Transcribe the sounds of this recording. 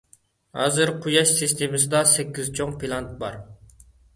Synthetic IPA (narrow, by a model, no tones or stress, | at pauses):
hɑ̰ːzɨɾqʰujɑʃsɨst̪ʰemɨsɪd̪ɑsɛkʲːizt͡ʃʰoŋpʰilˠɑnt̪̚bɑ̰ɾ